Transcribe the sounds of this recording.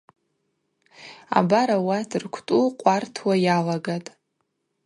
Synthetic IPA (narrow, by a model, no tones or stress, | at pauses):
a̰baɾawatʰɨrkʷʰtʼuqʷʼartʰwajalaɡatʼ